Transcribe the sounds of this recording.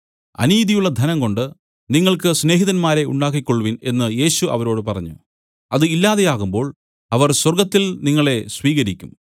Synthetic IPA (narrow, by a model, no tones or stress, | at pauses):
ɐ̰niːðijuɭːɐd̪ʱɐnɐŋko̞ɳɖɨ | niŋːɐɭkɨsne̞ːɦiðɐnmaːɾe̞ṵɳɖaːk̬ːikʲːo̞ɭːuʋine̞nːɨje̞ːɕuʔɐ̰ʋɐɾo̞ːɽɨpɐrɐɲːṵ | ɐðɨilːaːðe̞jaːɣumbo̞ːɭ | ɐʋɐrswɐrɡɐt̪ːilniŋːɐɭe̞sʋiːɣɐɾikʲːum